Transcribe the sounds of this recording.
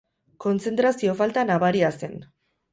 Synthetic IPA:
ko̞nt͡se̞nt̪ɾasio̞falt̪anaβaɾiase̞n

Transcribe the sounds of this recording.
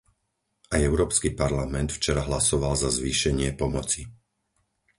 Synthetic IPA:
ʔajɛʊɾɔːpskipaɾlamɛnt̪ft͡ʃɛɾaɦlasɔʋalzazʋiːʃɛɲɪɛpɔmɔt͡si

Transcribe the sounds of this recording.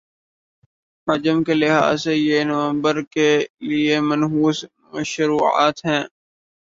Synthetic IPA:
hɐd͡ʒəmkelɪɦa̰ːzejenɐʋə̃mbəɾkeliemənɦuːz | məʃɾuːa̰ːt̪ɦɛ̃ː

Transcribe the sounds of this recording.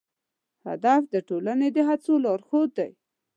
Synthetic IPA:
ha̰d̪afd̪əʈolaned̪əɦat͡solɑɾxod̪̚ːaj

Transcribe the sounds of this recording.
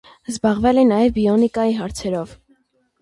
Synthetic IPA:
zbɑʁvɛlɛnɑjɛvbiɔnikɑjiɦɑɾt͡sʰɛɾɔv

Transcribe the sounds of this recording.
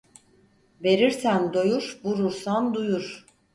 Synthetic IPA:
ve̞ɾiɾsænd̪ojuɾbuɾuɾsand̪ujuɾ̥

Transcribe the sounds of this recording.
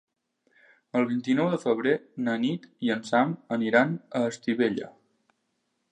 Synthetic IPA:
əlˠβint̪inɔwðəfəβ̞ɾenənit̪iənsaməniɾanəːst̪iβeʎə̰

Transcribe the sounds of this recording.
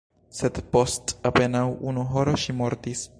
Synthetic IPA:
sed̪po̞stape̞nawʔunuɦoɾo̞ʃimo̞ɾtis

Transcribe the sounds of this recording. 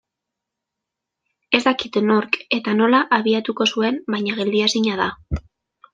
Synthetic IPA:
e̞zd̪akit̪no̞ɾke̞t̪ano̞laʔaβ̞iat̪uko̞sue̞mbajɲaɣ̞e̞ld̪iasiɲað̞a

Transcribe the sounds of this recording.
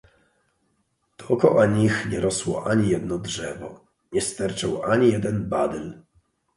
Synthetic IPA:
t̪ɔɔkɔʔaɲixɲɛɾɔswɔʔaɲijɛd̪nɔdʐɛvɔ̰ | ɲɛst̪ɛɾt͡ʂawʔaɲijɛd̪ɛnbad̪ɛl

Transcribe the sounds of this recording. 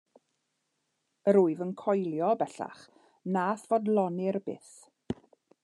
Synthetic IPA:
əɾuɨvənkʰɔjlˠjɔbɛɬa̰χ | naːθv̥odlˠɔnɪrbɪ̰θ

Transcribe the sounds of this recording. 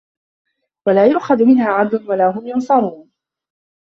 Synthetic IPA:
walaːjʊʔxaðmɪnhaːʕad̪lʊnwalaːɦʊmjʊnsˤɑɾˤuːn

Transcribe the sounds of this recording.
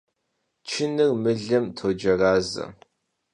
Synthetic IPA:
t͡ʃʰɪnɨrmɨɮɐmtʰoːd͡ʒɐraːzɐ̰

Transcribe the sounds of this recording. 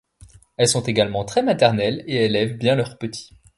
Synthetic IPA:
ɛlsɔ̃t̪eɡalmɑ̃t̪χɛmat̪ɛʁnɛleelɛvbjɛ̃lœʁpət̪ʰi̥

